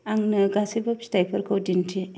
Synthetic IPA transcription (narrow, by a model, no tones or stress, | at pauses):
aŋnɯɡasibɐpstajpʰɐɾkʰɯwdintʰi